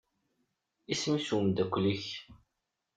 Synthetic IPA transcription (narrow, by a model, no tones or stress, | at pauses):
ismisuwəmd̪ækʷːliç